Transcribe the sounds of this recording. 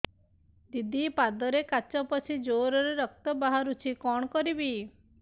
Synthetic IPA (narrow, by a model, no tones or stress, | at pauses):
d̪id̪ipad̪ɔɾekat͡ʃɔpɔt͡ʃʰid͡ʒoɾɔɾeɾɔk̚t̪ɔbaɦaɾut͡ʃʰikɔɽ̃ɔkɔɾibi